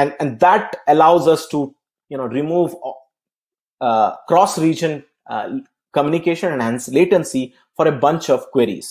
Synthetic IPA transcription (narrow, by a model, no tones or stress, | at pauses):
ɛ̃ɛ̃ɳɖd̪æʈəlaʊzʌsʈu | junoːɾimuːʋ | kɾɔːsɾiːd͡ʒə̃n | kəmjũnikeːʃə̃nɛ̃ɳɖæ̃nsleːʈə̃nsi | fɔːɾebʌ̃nt͡ʃɔʋkweɾḭz̥